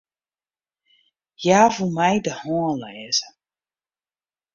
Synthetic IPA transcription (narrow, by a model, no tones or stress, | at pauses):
jaːvumɛjdəhɔənlɛːzə